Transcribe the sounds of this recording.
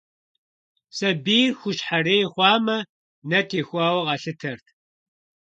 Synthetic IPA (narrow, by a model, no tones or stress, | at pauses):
sɐbiːrxʷʊɕħareːjχʷɑːmɐ | nɐtʰeːxʷɑːwɐqɐɬɨtʰɐrtʰ